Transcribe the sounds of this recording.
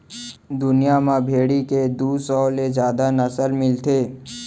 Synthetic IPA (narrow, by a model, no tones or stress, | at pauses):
d̪ʊnijamãbʱeːɽiked̪uːsɔːlezjaːd̪anəsəlmɪlt̪ʰeː